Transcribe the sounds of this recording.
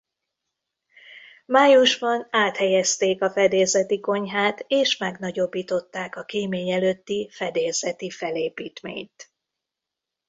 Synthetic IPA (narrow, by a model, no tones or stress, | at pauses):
maːjuʒbɒnaːt̪hɛjɛst̪eːkɒfɛd̪eːzɛt̪iko̞ɲɦaːt̪eːʃmɛɡnɒɟo̞bːiːt̪o̞t̪ːaːkɒkeːmeːɲɛløt̪ːifɛd̪eːzɛt̪ifɛleːpiːt̪mḛːɲt̪